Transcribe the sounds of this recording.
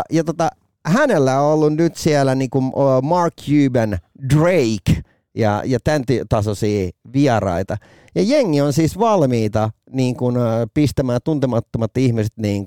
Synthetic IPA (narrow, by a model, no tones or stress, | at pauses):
jɑt̪ot̪ɑ | hænelːæoolːunnyt̪sielæniːŋkummɑrkʰjyːbendreik | jɑ̰jɑt̪ænt̪yøt̪ɑsosiːʋiɑɾɑ̰it̪ɑ | jɑjeŋːionsiːsʋɑlmiːt̪ɑ | niːŋkunpist̪æmæːnt̪unt̪emɑt̪ːomɑt̪ihmiset̪niːŋ